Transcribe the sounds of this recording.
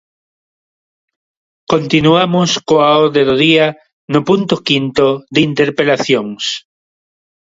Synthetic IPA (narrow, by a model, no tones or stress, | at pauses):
kont̪inuamoskoaoɾðeðoðia | nopunt̪okint̪oðint̪eɾpelaθjoŋs